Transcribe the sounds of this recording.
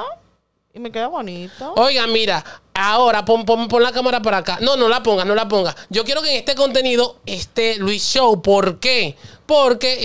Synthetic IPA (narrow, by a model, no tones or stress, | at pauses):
ime̞keðaβonit̪oo̞jɣamiɾaao̞ɾapompompo̞nlakamaɾap̬aɾakano̞no̞lapo̞ŋɡasno̞lap̬o̞ŋɡasɟ͡ʝo̞k̬je̞ɾo̞keŋe̞st̪e̞ko̞nt̪e̞niðo̞est̪e̞lwisʃowpo̞ɾke̞po̞ɾke̞